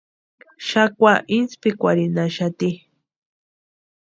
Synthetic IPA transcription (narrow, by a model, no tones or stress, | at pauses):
ʃakʷaʔinspikʷaɾinaʃat̪i